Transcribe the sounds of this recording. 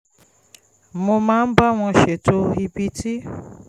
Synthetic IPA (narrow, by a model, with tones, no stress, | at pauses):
mo˧mãː˦n̩˦ba˦w̃ɔ̃˧ʃe˨to˦i˧bi˧ti˦